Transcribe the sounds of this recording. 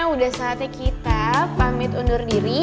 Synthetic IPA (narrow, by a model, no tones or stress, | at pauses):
audahsaɦːt̪ɲakit̪apamɪt̪undʊrdiɾi